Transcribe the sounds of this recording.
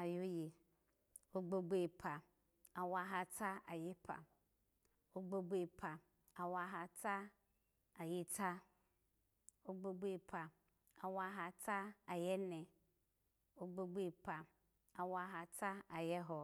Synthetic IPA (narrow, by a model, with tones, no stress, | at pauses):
a˨jo˦je˨ | o˦ɡ͡bo˦ɡ͡be˦˨pʰa˨ | a˨wa˦ɦa˦tʰa˦a˨jɪ˦pʰa̰˨ | o˦ɡ͡bo˦ɡ͡be˦˨pʰa˨ | a˨wa˦ɦa˦tʰa˦ | a˨jɪ˦tʰa˦ | o˦ɡ͡bo˦ɡ͡be˦˨pʰa˨ | a˨wa˦ɦa˦tʰa˦a˨jɛ˦nɪ̃˨ | o˦ɡ͡bo˦ɡ͡be˦˨pʰa˨ | a˨wa˦ɦa˨tʰa˦a˨jɛ˦ɦɔ˦